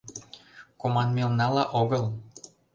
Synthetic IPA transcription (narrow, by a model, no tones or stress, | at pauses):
komɑnmelnɑlɑʔoɣəl